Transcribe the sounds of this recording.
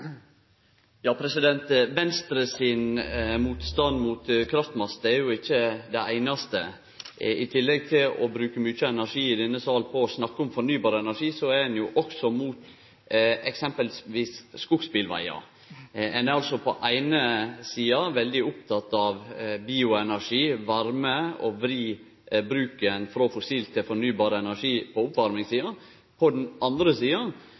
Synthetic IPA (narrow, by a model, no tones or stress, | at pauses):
jɑːpʰɾɛsɪd̪ɛnt̪ʋɛnst̪ɾəsɪnmuːt̪st̪ɑnd̪muːt̪kʰɾɑft̪mɑsd̪ɛɾjʊɪçːəd̪ɛʔæɪnɑst̪ə̰ | ɪt̪ʰɪlːɛɡ̚t̪ʰɪlɔ̰bɾʉːkəmyːt͡ʃəɛnæɾʂiːɪd̪ɛnːəsɑːlpʰɔsnɑkːəɔmfɔɾnyːbɑːɾəɛnæʂiːsɔæɾɛnjʊʔɔksɔmuːt̪ | ɛksɛmpəlsʋiːsːkʊɡspɪlʋæ̰ɪɑ̰ | ɛnɛɑlsɔpʰɔʔæɪnəsiːɑʋɛld̪ɪʊp̚t̪ʰɑt̪ːɑʋbiːʊɛnæɾʂiːʋɑɾməɔʋɾiː | bɾʉːkənfɾɑfɔsiːlt̪ʰːɪlfɔɾnyːbɑːɾəɛnæʂiːpʰɔʊpʋɑɾmɪŋsiːɑ | pʰɔd̪ɛnʔɑnd̪ɾəsiːɑ